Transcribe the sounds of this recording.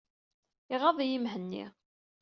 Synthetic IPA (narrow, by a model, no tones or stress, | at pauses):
ɪʁɑðˤijimɦənːḭ